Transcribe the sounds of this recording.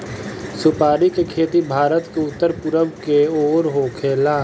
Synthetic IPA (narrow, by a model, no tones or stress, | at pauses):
sʊpaːɾikekʰeːt̪ibʱaːɾət̪keʊt̪ːəɾpʊɾəʋkeoːɾɦoːkʰeːlaː